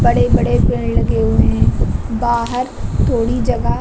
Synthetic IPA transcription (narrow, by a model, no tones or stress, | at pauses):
bɐɽebɐɽepɪɳlɐɡeɦuẽbaːɦəɾ | t̪ʰoːɽid͡ʒɐɡə